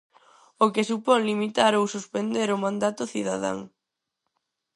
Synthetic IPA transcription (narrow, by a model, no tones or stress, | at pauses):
okɪsupɔŋlimit̪aɾowsuspend̪eɾʊmãnd̪at̪ʊθiðaða̰ŋ